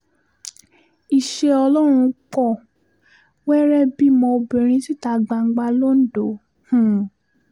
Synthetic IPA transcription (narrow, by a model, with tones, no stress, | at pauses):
i˨ʃe˧ɔ˧lɔ˦ɾ̃ũ˧k͡pɔ˦˨ | wɛ˦ɾɛ˦bi˦mɔ̃˧o˧bĩ˨ɾ̃ĩ˧˦ti˦ta˧˨ɡ͡ba˧ŋ̩˦ɡ͡ba˧˦lo˦n̩˦do˨˦ | hũ˦˨